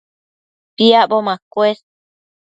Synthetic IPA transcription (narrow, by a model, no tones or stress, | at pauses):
piaʔbomãkwes